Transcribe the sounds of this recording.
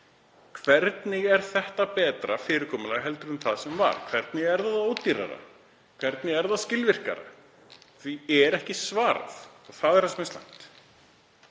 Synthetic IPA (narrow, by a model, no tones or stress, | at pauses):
kʰvɛɾt̪nɪɣɛɾ̥θɛht̪apɛːt̪ɾafɪːɾɪɾkʰɔːmʏlaɣɦɛlt̪ʏɾʏmθaðsɛmva̰ɾ̥kʰvɛɾt̪nɪɣɛɾðaðoːwt̪iɾa̰ɾa̰ | kʰvɛɾt̪nɪɣɛɾðaðscɪlvɪr̥ka̰ɾa̰ | θviɛɾɛhcɪsvaːɾa̰θɔɣθaðɛɾhasmɛnsla̰jn̥t̪